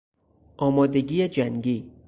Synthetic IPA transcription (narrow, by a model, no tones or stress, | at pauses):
ʔɒːmɒːd̪eɡiːed͡ʒæŋɟiː